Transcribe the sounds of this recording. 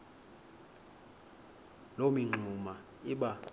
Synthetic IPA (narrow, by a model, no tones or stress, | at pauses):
lomiŋ͡ǁʱuma | iɓa